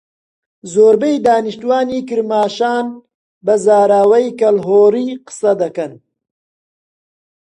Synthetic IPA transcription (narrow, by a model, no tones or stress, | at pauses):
zoːɾbejd̪aːniʃt̪uwaːniːkɨɾmaːʃaːn | bɐzaːɾaːwɐjkɐlɦoːɾiːqɨ̥sɐd̪ɐkɐn